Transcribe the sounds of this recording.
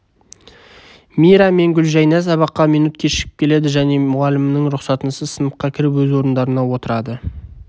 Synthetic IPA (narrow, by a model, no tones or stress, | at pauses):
mijɾɑme̞ŋɡʲʏlʒæjnæs̬ɑbɑqːɑmijnut̪̚kʲʰeʃɪ̥kʲɪ̥p̚kʰʲele̞d̪ɪʒæne̞mʊʁɑlɪmnəɴɾʊqsɑt̪ənəsəsənəqːɑkʲʰɪɾɪpwɵzwo̞ɾənd̪ɑɾənɑwo̞t̪əɾɑd̪ə